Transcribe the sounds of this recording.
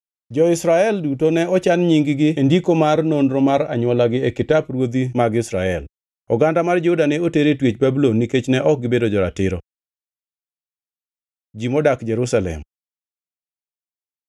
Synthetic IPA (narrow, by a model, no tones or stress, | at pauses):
d͡ʒɔɪsɾaɛldutonɛɔt͡ʃanɲiŋɡɪɡɪendikomarnonɾɔmaɾa̰ɲwɔlaɡɪɛkɪtaprwod̪imaɡɪsɾaɛl | ɔɡandamard͡ʒɛudanɛoteɾetwet͡ʃbabulonːiket͡ʃnɛʔɔk̚ɡɪbedod͡ʒɔɾatɪɾɔ | d͡ʒimɔdakd͡ʒɛɾusalɛ̰m